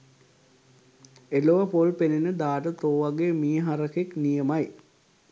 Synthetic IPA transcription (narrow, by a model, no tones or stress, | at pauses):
eloʋɐpolpenenəd̪aːʈət̪oːʋaɡeːmiːɦaɾəkeknijəmaj